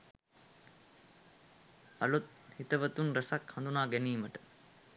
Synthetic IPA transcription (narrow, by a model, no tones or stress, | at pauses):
ɐlut̪̚ | hit̪əʋət̪unɾəsakhaɐnd̪unaːɡæniːməʈə